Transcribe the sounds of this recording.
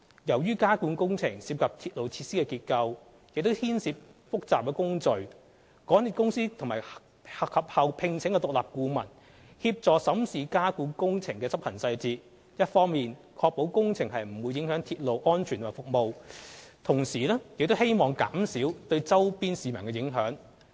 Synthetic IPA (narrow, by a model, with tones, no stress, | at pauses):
jɐ˨˩wjyː˥kaː˥kuː˨˥nkʊ˥ŋt͡sʰɪ˨˩ŋsiː˧p̚kʰɐ˨p̚t̪ʰiː˧t̚lo˨wt͡sʰiː˧t̚siː˥kɛː˧kiː˧t̚kɐ˧w | jɪ˨k̚t̪o˥whiː˥nsiː˧p̚fʊ˥k̚t͡saː˨p̚kɛː˧kʊ˥ŋt͡sɵ˨ɥ | kɔː˨˥niː˨˩kʊ˥ŋsiː˥t̪ʰʊ˨˩ŋmaː˨˩j | hɐ˨khɐ˨p̚hɐ˨˧wpʰɪ˨ŋt͡sʰɪ˨˥ŋkɛ˧t̪ʊ˨k̚laː˨p̚kuː˧mɐ̰˨˩n | hiː˧p̚t͡sɔː˨sɐ˨˥msiː˨kaː˥kuː˨˧˥nkʊ˥ŋt͡sʰɪ˨˩ŋkɛː˧t͡sɐ˥p̚hɐ˨˩nsɐ˧jt͡siː˧t̚ | jɐ˥t̚fɔː˥ŋmiː˨n | kʰɔː˧k̚po˨˥wkʊ˥ŋt͡sʰɪ˨˩ŋhɐ˨jm̩˨˩wu˨˧jːɪ˨˥ŋhœː˨˥ŋt̪ʰi˧t̚lo˨wʔɔː˥nt͡ʃʰyː˨˩t̪ʰːfʊ˨k̚mo˨wt̪ʰʊ˨˩ŋsiː˨˩lɛː˥jɪ˨k̚t̪o˥whe˥jmɔː˨˩ŋka̰ː˨˥msiː˨˥wt̪ɵ˧ɥt͡sɐ˥wpiː˥nsiː˨mɐ˨˩nkɛː˧jɪ˨˥ŋɦœ̰ː˨˥ŋ